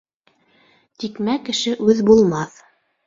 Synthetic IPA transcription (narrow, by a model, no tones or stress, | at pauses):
t̪ikmækːɘ̆ʃɘʔʉðbulˠmɑθ